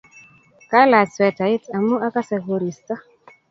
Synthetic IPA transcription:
ka˦la˨swɛ˨ta˨i˦ta˨mu˦ʔa˦ka˦sɛ˨ɡo˨ɾi˨sta˦

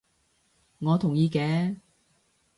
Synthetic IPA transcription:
ŋɔː˨˧t̪ʰʊ˨˩ŋjiː˧kɛː˨˧˥

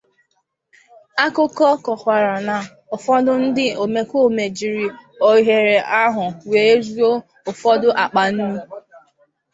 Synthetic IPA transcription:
a˦kʊ˦kɔ˦kɔ˨kʷa˨ɾa˨na˨ | ʊ˨fɔ˦dʊ˦n̩˦dɪ˦o˨me˨kʷo˦˨me˨d͡ʒi˨ɾi˨o˨ɦe˨ɾe˨ʔa˦ɦʊ˨we˨e˦zu˦o˦ | ʊ˨fɔ˦dʊ˦ʔa˨k͡pa˨n̩˦nu˦

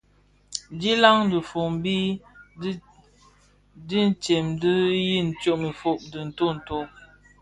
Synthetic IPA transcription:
di˦la˦ŋ˦də˨fo˨m˦bi˦ | di˦n̩˦t͡ʃɛ˨mdə˦ji˦˨n̩˨t͡ʃo˦ʔmi˨fo˦˨ʔ̚də˨n̩˨to˦˨n̩˨to˦

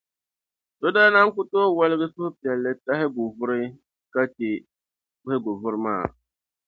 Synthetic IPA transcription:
to˦daː˦na˦ŋ˦kʊ˦toː˦wa˦lɪ˦ɡɛ˦sʊ˦hʊ˦pi˨ɛ˨lːɪ˦ta˦ɦɪ˦ɡʊ˨vʊ˦ɾɪ˦ | ka˦t͡ʃɪ˨ | kʊ˦hɪ˦ɡʊ˨vʊ˦ɾɪ˦ma̰ː˦˨

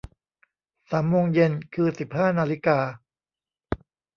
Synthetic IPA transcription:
saː˩˦mːoː˧ŋje˧nkʰɯː˧si˨˩p̚haː˥˩naː˧li˦˥kaː˧

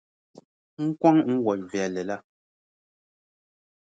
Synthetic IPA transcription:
ŋ̩˦kwa˦ŋ˦ŋ̩˦wɔ˨vɛ˨lɛ˨la˦

